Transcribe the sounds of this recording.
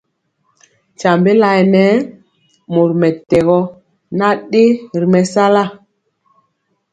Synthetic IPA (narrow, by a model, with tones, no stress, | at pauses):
t͡ʃa˨mbe˦la˨ɛ˨nɛ˦ | mo˨ɾmɛ˨tɛ˨ɣɔ˦ | na˦ɗe˦˨ɾi˨mɛ˨sa˦la˦˨